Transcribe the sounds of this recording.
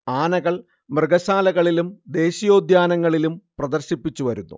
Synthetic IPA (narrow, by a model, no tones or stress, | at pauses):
aːnɐɣɐɭ | mrɨɡɐɕaːlɐɣɐɭilumd̪e̞ːɕijo̞ːd̪jaːnɐŋːɐɭilumprɐd̪ɐrɕipːit͡ɕːuʋɐɾunːṵ